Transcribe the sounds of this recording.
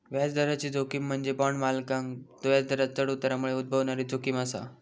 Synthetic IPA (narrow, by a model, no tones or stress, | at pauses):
ʋat͡sd̪ʱəɾat͡ɕiːd͡zʱokiːm̤ːəɳd͡zebɔɳmalkãŋkd̪ojat͡sd̪ʱəɾat͡st̪əɽut̪ɾamuɭeud̪̚bʱəʋɳaɾiːd͡zʱokiːməsa̰